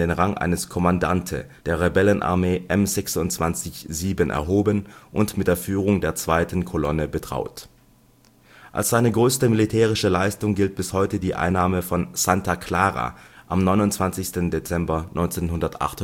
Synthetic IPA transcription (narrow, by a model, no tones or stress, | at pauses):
deːnʁaŋʔa̰ɪnəskʰɔmandantʰə̰d̥eːɐʁebɛlənʔa̰ɐmeːʔɛmzɛksʊntt͡sv̥ant͡sɪçz̥iːbənʔɛ̰ɐɦoːbənʔʊntmɪtd̥eːɐfyːʁ̞ʊŋdeːɐt͡sv̥aɪtʰn̩kʰɔlɔnəbətʁ̥a̰ʊt | ʔa̰lsz̥aɪnəɡʁøːstəmilitʰɛːʁ̞ɪʃəlaɪstʊŋɡɪlt̚b̥ɪshɔʏtədiːʔa̰ɪnːaːməfɔnz̥antakʰl̥aːʁa̰ʔamnɔʏnʊntt͡sv̥ant͡sɪçstəndet͡sɛmbɐnʔɔʏnt͡seːnɦʊndɐtʔa̰χtʊ